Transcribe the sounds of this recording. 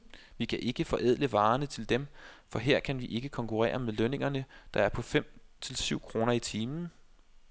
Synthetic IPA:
ʋikʰæʔe̝ɡ̥əfɒ̽ʔɛð̰ˠləʋɑ̈ːnət͡sʰe̝ld̥emfɒ̽ɦe̝ɐ̰kʰænʋiʔe̝ɡ̥əkʰɒ̽ŋkʰuʁɛ̰ːɐmeðˠløne̝ŋɐnəd̥ɑ̈æɐpʰɒ̽fem̰t͡sʰe̝lsyʊ̰kʰʁo̝ːnɐit͡sʰiːmn̩

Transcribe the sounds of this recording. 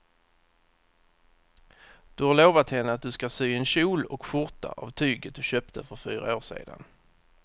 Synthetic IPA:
d̪̥ɵhaɾloːvat̪hɛnːəat̪̚d̪ɵskasyːɛnɕuːlɔkɧʊɾt̪a̰ʔavt̪ʰyːɡət̪̚d̪̥ɵɕøːp̚t̪ʰəfœɾfyːɾa̰oːʂḛːd̪a̰n

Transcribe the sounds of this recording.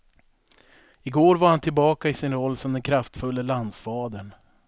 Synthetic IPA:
ɪɡoːɾvaɾhant̪ʰɪlbɑːkaɪsɪnɾɔlːsɔmd̪ɛnkʰɾaft̪fɵlːəland̪sfɑːd̪əɳ

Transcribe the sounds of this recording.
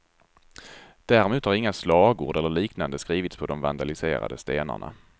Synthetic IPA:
d̪̥æɾmuːt̪haɾɪŋːaslɑːɡṵːɖɛlːəɭiːknand̪əskɾiːvɪt̪spʰɔd̪ɔmvand̪alɪsḛːɾa̰d̪əst̪eːna̰ɳa̰

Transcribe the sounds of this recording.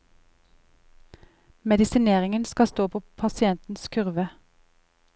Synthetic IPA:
mɛd̪ɪsɪneːʁɪŋənskɑst̪oːpʰoːpʰɑsɪɛnt̪n̩skʰʉʁʋə

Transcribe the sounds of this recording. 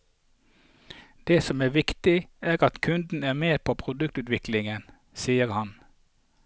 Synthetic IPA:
d̪̥eːsɔmæːʋɪkt̪ɪæːʁɑt̪kʰʉnd̪n̩æːʁmeːpʰoːpʰʁʊd̪ʉkt̪ʉːt̪ʋɪklɪŋən | siːəʁhɑn

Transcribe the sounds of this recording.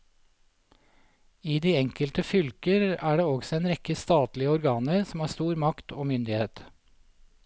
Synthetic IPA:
iːd̪iːɛŋkəlt̪əfʏlkəɾæːɖeːɔɡsɔeːnɾɛkəst̪ɑːt̪lɪəɔɾɡɑːnəɾsm̩hɑːɾst̪uːɾmɑkt̪oːmʏnd̪ɪheːt̪

